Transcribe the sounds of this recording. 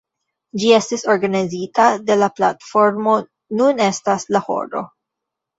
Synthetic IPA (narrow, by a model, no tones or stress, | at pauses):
d͡ʒie̞stiso̞ɾɡanizitade̞lapla̰tfo̞ɾmo̞ | nune̞staslaho̞̰ɾo̞̰